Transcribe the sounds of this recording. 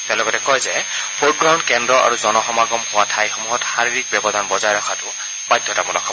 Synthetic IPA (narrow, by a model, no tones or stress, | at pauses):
tɛ̃lɔɡɔtɛkɔjzɛ | pʰoɡɹawndkɛndɹɔʔa̰ɹuzɔnɔxɔmaɡɔmhʊwatʰajxɔmuɦɔtxaɹiɹik̚bɛbɔdʱanbɔzajɹakʰatʊ | bajdʱːɔtamulɔkʰːɔ